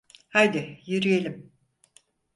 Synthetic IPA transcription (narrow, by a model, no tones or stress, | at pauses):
hajd̪ɪjyɾyjelʲim